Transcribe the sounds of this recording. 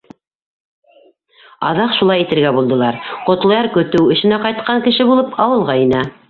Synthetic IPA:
ɑ̰ðɑqʃulˠɑjit̪ɘ̆ɾɡæbulˠd̪ɤ̆lˠɑɾqŏt̪lˠɤ̆jɑɾkɵ̆t̪ɘwɘ̆ʃɘ̆næqɑjt̪̚qɑŋkɘ̆ʃɘbulˠɤpʰɑwɤ̆lˠʁɑinæ

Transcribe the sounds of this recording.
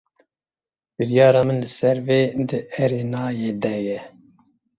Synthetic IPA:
b̥ɨɾijɑːɾɑːmɨnlɨsɛɾveːd̪ɨʔɛɾeːnɑːjeːd̪ɛjɛ

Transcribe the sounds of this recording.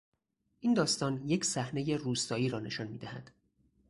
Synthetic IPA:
ʔiːnd̪ɒːst̪ɒːnje̞cʰsæhne̞je̞ruːst̪ɒːiːɾɒːne̞̰ʃɒnmiːd̪æhæd̪̥

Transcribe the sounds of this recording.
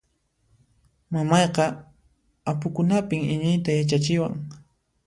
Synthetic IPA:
mamɑjqɑ | apʊkʊnapɪŋɪɲɪjt̪ajat͡ʃat͡ʃɪwa̰ŋ

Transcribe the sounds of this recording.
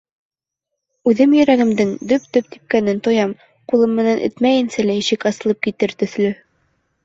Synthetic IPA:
ʉðɘmjɵ̆ɾæɡɘ̆md̪ɘŋd̪ɵpd̪ɵpt̪i̥p̚kænɘnt̪ŏjɑm | qulˠɤmːɘ̆nænʔɘ̰̆t̪mæjɘ̆nsælæiɕɘkɑsɤ̆lˠɤp̚kit̪ɘɾt̪ɵ̆θlɵ

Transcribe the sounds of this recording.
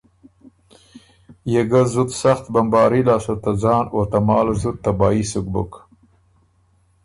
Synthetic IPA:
jeɡazut̪saxt̪bambɑːɾilɑːsut̪ad͡zɑːnot̪amɑːlzut̪̚ːabɑːisʊk̚bʊ̰k

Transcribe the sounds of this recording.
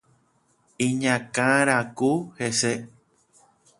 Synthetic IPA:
ĩɲãkãɾakuhese

